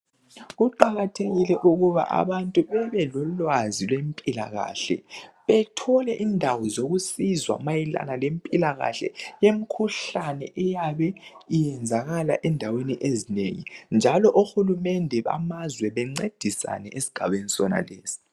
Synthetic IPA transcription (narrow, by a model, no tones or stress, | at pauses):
ɣuǃaɣatʰeɣilɛʔuɣuβa̰ʔa̰βantʼuβɛβɛlɔlwazilwempʼila̰ɣa̰ɬɛ̰βɛtʰɔlɛʔiːndʱawɔzoɣusizwa̰majɛla̰nalempʼilaɣa̰ɬɛ̰jem̩kʰuɬanɛ̰ʔɛjaβɛijɛnd͡zʱaɣalaʔɛndʱaweniʔezineŋḭnd͡ʒʱalɔʔuxulumɛndʱɛβa̰mazwɛβɛŋ͡ǀed̥ʱisa̰nɛʔesi̥ɡ̥ʱaβenisɔna̰lḛːsi̥